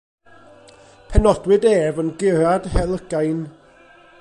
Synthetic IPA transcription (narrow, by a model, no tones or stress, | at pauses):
pʰɛnɔd̥wɨdeːvənɡɪɾad̥hɛlˠəɡ̥ajn